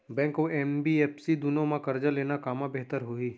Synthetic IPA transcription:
bɛ̃ːŋkoʔɛːnbieːpsid̪unõmãkɐɾd͡ʒəleːnakaːmabɛɦt̪əɾɦoiː

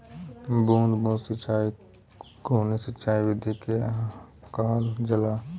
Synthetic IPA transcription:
bũːnd̪bũːd̪sɐt͡ʃaːi | ɡʱoːnesɐt͡ʃaːiʋɪd̪ʱike | kaːld͡ʒɐlaː

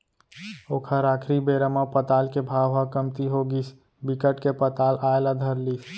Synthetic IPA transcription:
oːkʰəɾakʰɾibeɾəmapət̪aːlkebʱaːʋɦakəmt̪iɦoɡis | bikəʈkepət̪alʔaelad̪ʱəɾliːs

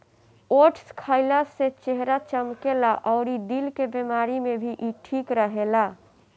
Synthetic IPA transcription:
oːʈʰskʰaːɪlaset͡ʃeɦɾat͡ʃəmkelaʔɔʊɾiɖilkebemaːɾimẽbʱiʔiʈʰiːkɾəɦela

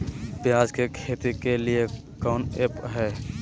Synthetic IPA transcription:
pɪjaːd͡ʒkekʰeːt̪ikelie | kaːnepɦɛː

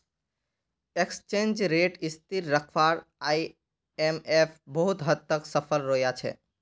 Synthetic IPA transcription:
ekst͡ʃẽnd͡ʒɾeʈist̪iɾːəkʰʋaɾaj | emepʰbəɦut̪ɦəd̪̚əksəpʰəlɾojat͡ʃʰɛ̰

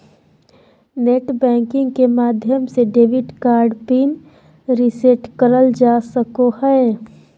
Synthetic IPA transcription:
neʈbɛ̃ːŋkɪ̃ŋɡkemaːd̪ʱjəmseɖeːʋɪɖkaːɾɖpin | ɾiseʈkəɾəld͡ʒaːsəkohɛe

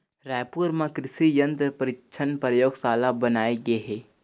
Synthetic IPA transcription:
ɾaːjpuːɾmãkɾɪsijə̃nt̪ɾpəɾɪkʃʰənpɾəjoːɡsaːlabənaːeɡəeɦɛː

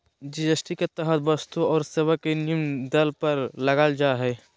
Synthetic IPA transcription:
d͡ʒid͡ʒəsʈiket̪ɛɦət̪bɐst̪uɔːɾseːwakenimd̪ɐlpɐɾlɐɡald͡ʒaɦɛː

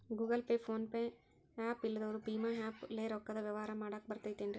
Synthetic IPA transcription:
ɡuːɡɐlpeːfʰoːnpẽ | aːpɪlːɐðɐʋɔɾɯpiːmaːaːpleːɾɔkːɐðɐʋɐʋaːɾɐmaːɽaːkbɐɾt̪ːɐjt̪ːenɖɾi

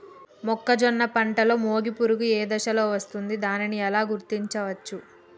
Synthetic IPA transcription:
mɔkːɐd͡ʒɔnːɐpɐɳʈɐlo̞ːmo̞ːɡipuɾuɡueːd̪ɐʃɐlo̞ːʋɐst̪und̪id̪aːniniɛlaːɡuɾt̪iɲt͡ʃɐʋɐt͡ʃːu

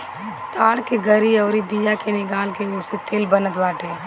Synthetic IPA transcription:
t̪aːɽkeɡʱəɾiɔːɾibijakenɪkaːlkeʊːset̪eːlbənət̪baːʈeː

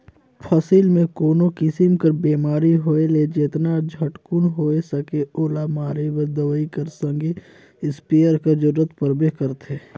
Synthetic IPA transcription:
pʰəsiːlmẽkoːnokɪsimkəɾbeːmaːɾiɦoːeled͡ʒeːt̪nad͡ʒʱəʈkunɦoːesəkeoːlamaːɾebəɾd̪əʋəikəɾsə̃ŋɡe | ɪspeːəɾkɐd͡ʒʊɾːət̪pəɾbekəɾt̪eː

